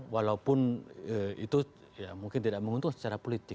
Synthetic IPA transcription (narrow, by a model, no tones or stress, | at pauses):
walaupʊnəḭt̪u | jamuŋkɪnt̪idaʔməŋunt̪ʊŋsə̥t͡ʃaɾapolit̪ɪ